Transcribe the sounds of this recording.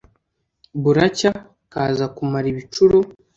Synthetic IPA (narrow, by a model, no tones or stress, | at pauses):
βuɾaca | kaːzakumaɾiβit͡ʃuɾo